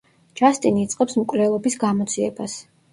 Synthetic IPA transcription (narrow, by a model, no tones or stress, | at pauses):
d͡ʒast̪ʼiniːt̪sʼqʼɛpsmkʼvlɛlˠɔbisɡamɔt̪sʰʼiɛbas